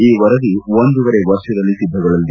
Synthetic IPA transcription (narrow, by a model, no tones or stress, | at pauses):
iːʋɐɾɐd̪iond̪uʋɐɾeʋɐɾʃjɐd̪ɐlːit̪id̪ʱːɐɡɐɭɐld̪i